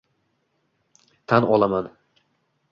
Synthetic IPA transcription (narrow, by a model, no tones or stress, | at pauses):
t̪ʰanɒ̰lˠaman